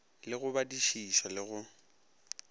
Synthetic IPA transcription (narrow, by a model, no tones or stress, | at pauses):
lɪɣʊbadiʃiʃalɪɣʊ